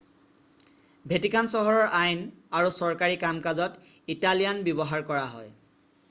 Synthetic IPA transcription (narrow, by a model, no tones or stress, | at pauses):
bʱetikansɔɦɔɹɔɹʔajnaɹusɔɹkaɹikamkazɔtitalijanbjɔbɔɦaɹkɔɹaɦɔ̰j